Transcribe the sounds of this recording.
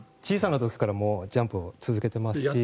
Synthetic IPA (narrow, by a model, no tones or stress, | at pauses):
t͡ɕiːsanat̪o̞kʲi̥kaɾamo̞ːd͡ʑãmpɯ̟ot͡sɨzɨke̞t̪e̞masɨ̥ɕi